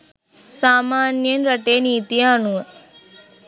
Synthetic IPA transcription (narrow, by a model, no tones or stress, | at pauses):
saːmaːnjənɾɐʈeːniːt̪ijaːnuʋə